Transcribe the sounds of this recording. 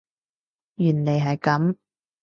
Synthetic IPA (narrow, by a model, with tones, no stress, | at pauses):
jyː˨˩nle˨˩jɦɐ˨jkɐ˨˥m